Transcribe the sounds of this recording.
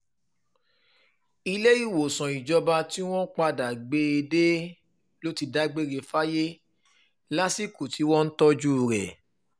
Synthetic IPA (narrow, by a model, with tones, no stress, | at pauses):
i˧le˦i˦˨wo˨sɔ̃˨i˨d͡ʒɔ˧ba˧ti˦w̃ɔ̃˦k͡pa˧da˨ɡ͡be˧˦e˧de˦ | lo˦ti˧da˦ɡ͡be˦ɾe˧fa˦je˦ | la˦si˦ku˨tʰi˨˦wɔ̃˦n̩˦tɔ˦d͡ʒu˦˨ɾɛ̰˨